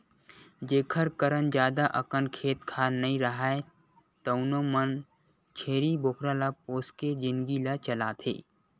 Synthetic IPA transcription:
d͡ʒeːkʰəɾkəɾənd͡ʒjaːd̪aʔəkənkʰeːt̪kʰaːnɐĩɾəɦae | t̪oʊnomən | t͡ʃʰeːɾibokʰɾalapoːsked͡ʒɪnɡilat͡ʃəlaːt̪ʰḛː

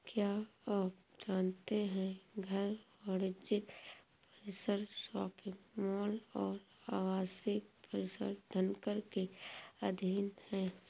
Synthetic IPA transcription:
kjaː | d͡ʒaːnt̪eɦɛ̃ɡʱəɾɔːɾɪd͡ʒɪpəɾɪsəɾsɔːkɪtmɔːlɔːɾaːɡaːsipəɾɪsə̰ɾd̪ʱənkəɾkeɐd̪ʱiːnhɛ̃ː

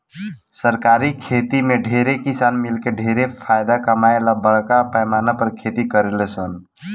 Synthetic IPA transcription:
səɾkaɾikʰet̪imeɖʱeɾekisanmilkeɖʱeɾepʰajd̪akəmaelabəɽkapəjmanapəɾkʰet̪ikəɾelesən

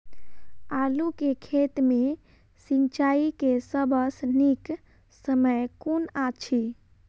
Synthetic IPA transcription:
alukekʰet̪me | sint͡ʃaikesəbəsnik | səməjkonat͡ʃʰi

